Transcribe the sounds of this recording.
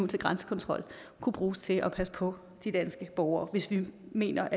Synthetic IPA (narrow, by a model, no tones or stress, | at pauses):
ut͡sʰe̝ɡ̥ʁɑnsə̥kʰɒ̽nt͡sʰʁɒ̽l̰ | kʰub̥ʁuːst͡sʰe̝ʔɒ̽pʰæsə̥pʰɒ̽ | d̥id̥ænsɡ̥əb̥ɒʊɐːʋe̝sʋime̝̰ːnɐʔ